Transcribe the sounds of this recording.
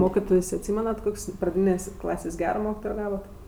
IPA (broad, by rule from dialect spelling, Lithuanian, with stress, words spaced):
ˈmoːkʲɪtoːjsʲ ɐtʲˈsʲiːmʲɛnɐt ˈkoːkʲsʲ prɐˈdʲiːnʲeːsʲ ˈklˠɑːsʲeːsʲ ˈɡʲæːroː ˈmoːkʲɪtoːjoː ˈɡɑːʋoːt